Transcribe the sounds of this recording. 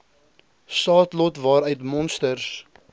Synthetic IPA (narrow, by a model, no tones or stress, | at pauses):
sɑːtlɔtvɑːɾœɥtmɔnstərs